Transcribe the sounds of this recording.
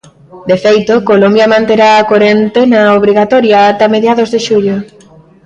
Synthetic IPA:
d̪efejt̪okolombjɐmãnt̪eɾaːkoɾent̪enaoβ̞ɾiɣat̪ɔɾjaːt̪ameðjaðozðeʃuʎo

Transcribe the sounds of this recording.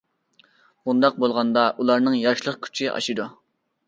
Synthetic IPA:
bund̪ɑq̚bolˠʁɑnd̪ɑʔulˠɑɾnɨŋjɑɾʃlˠəχkʲʰy̥t͡ʃʰiʔɑ̰ʃɨd̪u

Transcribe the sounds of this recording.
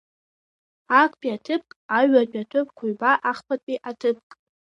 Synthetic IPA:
akʷʰʼpʼiatʰɨp̚ʰkʼaɥapʼatʰɨp̚ʰʼkʷʰʊɥbaʔaχpʰatʼiʔatʰɨpʰkʼ

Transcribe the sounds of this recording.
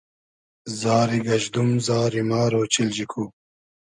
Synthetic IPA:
zaːɾiɡɐʑd̪umzaːɾimɑːɾoːt͡ɕild͡ʑikʰu

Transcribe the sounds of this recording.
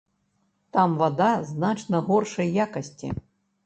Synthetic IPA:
t̪amvad̪aznat͡ʂnɐɣɔrʂɐjːakɐsʲt͡sʲḭ

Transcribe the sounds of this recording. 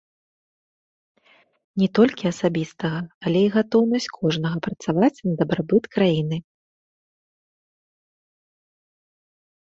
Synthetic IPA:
nʲɛt̪ɔlʲkʲiɐsabʲist̪ɐɣɐːlʲɛiɣat̪ɔwnɐsʲt͡sʲkʰɔʐnɐɣɐpɾɐt̪savat͡sʲnɐd̪ɐbɾabɨt̪kɾajinɨ

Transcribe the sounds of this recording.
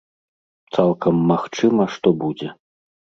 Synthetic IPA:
t̪salˠkɐmːaxt͡ʂɨmɐʂt̪ɔbud͡zʲɛ

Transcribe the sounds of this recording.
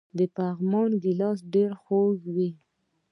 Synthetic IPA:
d̪əpaɣmɑnɡɪlɑsɖeɾxoɡwi

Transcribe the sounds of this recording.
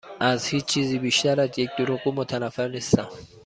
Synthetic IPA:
ʔæzhiːt͡ʃt͡ʃʰiːziːbiʃt̪æɾæd̪jec̚d̪uɾuɣuːmot̪ʰænæfːeɾnist̪æm

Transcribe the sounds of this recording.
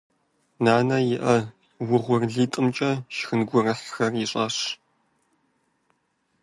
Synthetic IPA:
naːnɐjɪʔɐ | wʊʁʷʊrɮiːtʼɨmt͡ʃʼɐʃxɨnɡʷʊrɨħxɐrjɪɕʼɐɕ

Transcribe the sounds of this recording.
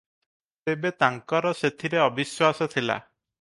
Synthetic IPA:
t̪ebet̪aŋkɔɾɔset̪ʰiɾeɔbiswasɔt̪ʰila̰

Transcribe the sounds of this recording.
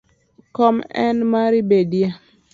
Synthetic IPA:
kɔmɛ̰nmaɾibedje

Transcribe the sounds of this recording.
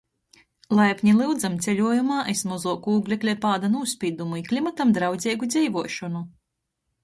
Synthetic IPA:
lˠajpʲɲilˠɨwd̪zamt̪sʲelʲuɔjumaːʔesmɔzuːkuːɡlʲɛklʲɛpaːd̪anuːspʲiːd̪umuiklʲimat̪amd̪ɾawd̪zʲɛːjɡud̪zʲɛjvuɔʃɔnu

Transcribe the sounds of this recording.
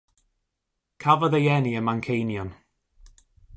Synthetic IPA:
kʰavəðəjɛniəmaŋkʰejnjɔn

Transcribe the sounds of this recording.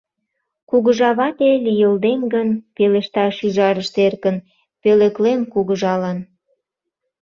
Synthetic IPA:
kuɣəʒɑβɑt̪elijəld̪eŋɡənpelĕʃt̪ɑʃyʒɑɾəʃt̪erkən | pelĕklenkuɣəʒɑlɑn

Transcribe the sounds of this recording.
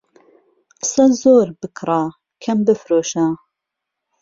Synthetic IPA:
qɨ̥sɐzoːɾbɨkʰɾaː | kʰɐmbɨfɾoːʃa

